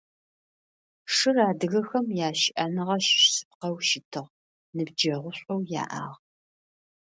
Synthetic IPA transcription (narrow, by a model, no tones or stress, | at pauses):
ʂɨraːdɨɣɐxɐmjaːʃʔɐnɨʁɐʃʃsɨ̥p̚qɐwʃɪtʰɨʁ | nɨb̚d͡ʒɐʁʷʊɕʷʼowja̰ːʔa̰ːʁ